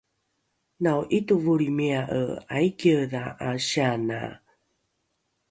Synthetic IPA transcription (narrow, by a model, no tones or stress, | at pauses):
nawʔituvuɾimeaʔə̰ajkəðaʔaɕiana̰